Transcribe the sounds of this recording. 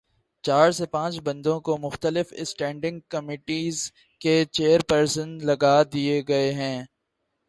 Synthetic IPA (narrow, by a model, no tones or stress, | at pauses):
t͡ʃaːɾsepãːt͡ʃbɐ̃nd̪õkomʊxt̪əlɪfɪ̰sʈɛ̃ːɳɖɪ̃ŋɡ̚kɐmiːʈiːz | ket͡ʃeːəɾpɐɾsənlɐɡad̪ieɡɐeɦɛ̃ː